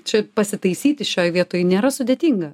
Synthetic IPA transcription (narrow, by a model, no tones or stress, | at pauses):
t͡ʃʲɛpɐsʲɪt̪ɐɪsʲiːt̪ʲɪʃʲoːjʋʲiɛt̪oːjnʲeːɾɐsʊd̪ʲeːt̪ʲiːŋɡɐ